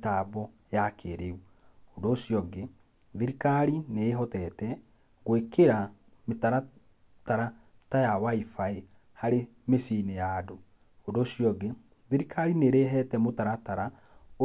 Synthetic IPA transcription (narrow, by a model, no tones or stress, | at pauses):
tabɔ | jakʰeɾeu | ondoːʃjɔɡe | ðeɾikaɾineːɦɔtɛtɛ | ɡwekeɾa | metaɾa | taɾa | tajawaifae | haɾe | mesinejado | ondoʃjɔɡe | ðiɾikaɾineɾeɦɛtɛmotaɾataɾa | o